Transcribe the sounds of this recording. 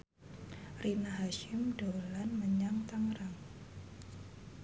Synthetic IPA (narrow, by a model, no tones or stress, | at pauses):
rinaɦaʃɪmdolanməɲaŋt̪aŋɾaŋ